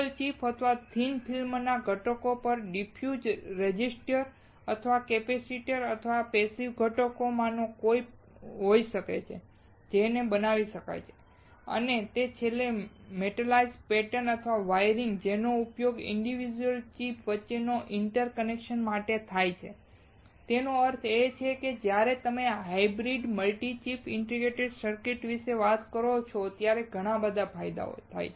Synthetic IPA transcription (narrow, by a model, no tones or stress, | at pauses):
əlt͡ʃipʰɦət̪ʰəʋat̪ʰinpʰilmnaɡʱəʈəkopəɾɖipʰjud͡ʒɾed͡ʒisʈəɾ | ət̪ʰəʋakepesiʈəɾət̪ʰəʋapesiʋɡʱəʈəkomãnokoj | ɦoiʃəkḛt͡ʃʰḛ | d͡ʒenebənaʋiʃəka̰jt͡ʃʰe̥ | ə̰net̪et͡ʃʰelemeʈəlaizpɛʈənət̪ʰʋaʋajɾiŋɡd͡ʒenoupjoɡɪ̰ɳɖiʋid͡ʒuəlt͡ʃipʰʋətːʃenoʔɪɳʈəɾkənekʃənmaʈet̪ʰajt͡ʃʰḛ | t̪enoəɾt̪ʰet͡ʃʰeked͡ʒjaɾet̪əmeɦaibɾiɖməlʈit͡ʃipʰɪɳʈɾiɡeʈeɖsəɾkɪʈʋiʃeʋat̪kəɾot͡ʃʰot̪jaɾeɡʱəɽ̃ãbəd̪ʱapʰajd̪a̰o̰t̪ʰa̰jʰ